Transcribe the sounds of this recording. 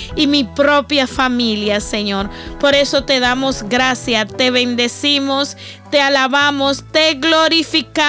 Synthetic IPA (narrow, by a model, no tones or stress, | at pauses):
imipɾopjafamiljase̞ɲo̞ɾpo̞ɾe̞so̞t̪e̞ðamo̞sɡɾasjat̪e̞βe̞nd̪e̞simos | t̪ealaβamost̪eɣlo̞ɾifika